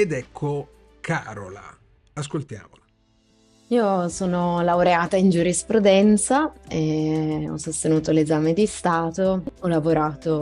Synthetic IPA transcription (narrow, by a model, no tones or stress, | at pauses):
ed̪ɛkʰːo | kʰaːɾo̰la̰ː | skolt̪ja̰ːmola | iːosoːnolawɾeaːt̪aind͡ʒuɾispɾud̪ɛnt̪saeɔ̰sːost̪enuːt̪olezaːmed̪ist̪aːt̪oɔlavoɾaːt̪o